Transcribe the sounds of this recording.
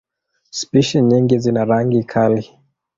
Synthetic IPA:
spiʃiɲiŋɡizinaɾaŋɡikʰali

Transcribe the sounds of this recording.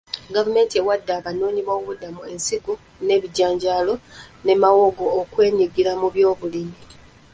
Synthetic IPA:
ɡavume̞ːntiewadːaːβanoːɲiβoːβudamue̞nsiɡu | ne̞βiɟaːɲɟaːlo̞ne̞mawo̞ɡo̞ːkwe̞ːɲiɡiɾamuβjo̞ːβulimi

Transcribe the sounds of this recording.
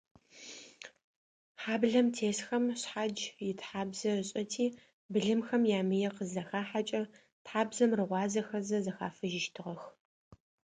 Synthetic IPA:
ħaːbɮɐmtʰeːsxɐmɕħad͡ʒjɪtħaːbzɐrɨɕʼɐtʰiː | bɨɮɨmxɐmjaːmɨjɛqəzɐxaːħat͡ʃʼɐ | tħaːbzɐmrɨʁʷɑːzɐxɐzɐzɐxa̰ːfɨʒɪʃtʰɨʁɐx

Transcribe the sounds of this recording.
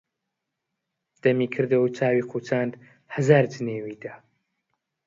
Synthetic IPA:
d̪̥ɐmiːkʰɨɾd̪ɐwt͡ʃʰaːwiːqʰuːt͡ʃʰaːnd̪ | hɐzaːɾd͡ʒɨneːwiːd̪a

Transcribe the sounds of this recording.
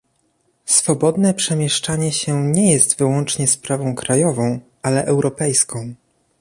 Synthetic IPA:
sfɔbɔd̪nɛpʂɛmʲjɛʂt͡ʂaɲɛɕɛɲɛjɛst̪vɘwɔnt͡ʂɲɛspɾavɔ̃w̃kɾajɔvɔ̃w̃ʔalɛʔɛwɾɔpɛjskʰɔ̃w̃

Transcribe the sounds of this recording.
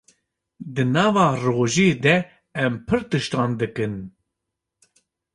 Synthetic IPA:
d̪ɨnɑːvɑːroːʒeːd̪ɛ | ɛmpʰɨɾt̪ɨʃt̪ɑːnd̪ɨkɨn

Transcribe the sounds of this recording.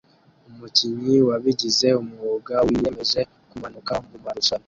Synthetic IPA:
omuciɲiwaβiɟize̞omuwoɡawiːjemeze̞ | kumanukamɡumaɾusala

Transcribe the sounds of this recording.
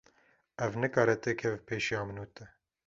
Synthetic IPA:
ɛvnɨkɑːɾɛt̪ekʰɛvpʰeːʃijɑːmɨnuːt̪ɨ

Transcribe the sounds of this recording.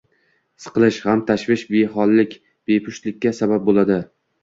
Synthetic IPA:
sɨ̥qɨlˠɪʃhamt̪ʰaʃvɪʃbeɦɒlˠːɪkʲ | b̥epʰʊʃt̪lɪkʲːasabap̚bolad̪ɪ

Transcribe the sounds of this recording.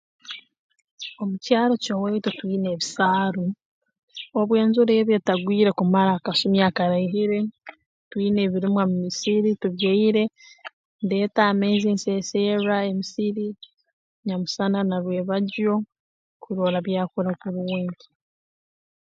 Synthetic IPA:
omucaːɾo̞coweitotwiːne̞ːβisaːɾo | oβwe̞ːnzuɾeːβjetaɡwiːɾe̞kumaɾaːkasumjaːkaɾaiɦiɾe̞ | twiːne̞ːβiɾimwamumisiɾituβjeiɾe̞ | nde̞ːtaːmezinseːseɾae̞misiɾi | ɲamusananaɾwe̞ːβaɟo̞ | kuɾo̞ːɾaβjaːkuɾakuɾuweːɲɟi̥

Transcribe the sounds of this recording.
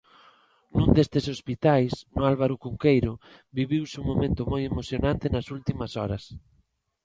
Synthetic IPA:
nũnd̪est̪esospit̪ajsnʊalβaɾʊkuŋkejɾʊ | biβiwsuŋmːomẽnt̪ʊmojemoθjonãnt̪ɪnɐsult̪imɐsɔɾɐ̰s

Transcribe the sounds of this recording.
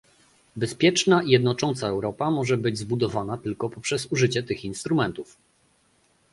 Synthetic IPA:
bɛspʲjɛt͡ʂnaijɛd̪nɔt͡ʂɔnt̪saɛwɾɔpamɔʐɛbɘd͡ʑzbud̪ɔvanat̪ɘlkɔpɔpʂɛzuʐɘt͡ɕɛt̪ɘxinst̪ɾumɛnt̪uf

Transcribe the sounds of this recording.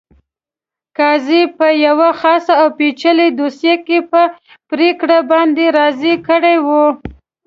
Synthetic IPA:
kɑzipəjawaxɑsaawpet͡ʃəled̪osjekepə | pɾekɽabɑnd̪eɾɑzikəɽewu

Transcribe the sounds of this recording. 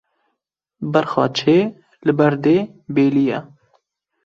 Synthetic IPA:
bɛɾxɑ̰ːt͡ʃʰeː | lɨbɛɾd̪eːbeːlijɛ

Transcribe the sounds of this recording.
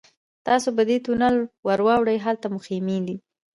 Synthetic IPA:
t̪ɑsobəd̪et̪unalwaɾwɑwɽəjɦalt̪amʊximili

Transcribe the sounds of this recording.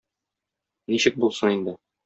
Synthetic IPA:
niɕɘk̚bulˠsɤnind̪ɘ

